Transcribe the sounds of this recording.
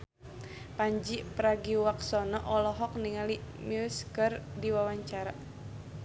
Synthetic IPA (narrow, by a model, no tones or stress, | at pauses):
paɲd͡ʒipɾaɡiwaksɔnɔʔɔlɔɦɔk̚niŋalimuskərdiwawaɲt͡ʃaɾa